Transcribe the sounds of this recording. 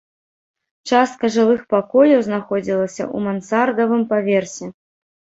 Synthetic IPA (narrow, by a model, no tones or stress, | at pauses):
t͡ʂast̪̚kɐʐɨlˠɨxpakɔjʲɐwznaxɔd͡zʲilˠɐsʲɐ̰ṵmansard̪ɐvɨmpavʲɛrsʲiɛ